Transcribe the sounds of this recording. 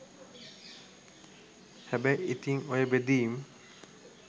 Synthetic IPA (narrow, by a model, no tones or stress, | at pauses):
hɛbeʔit̪iŋojebed̪iːm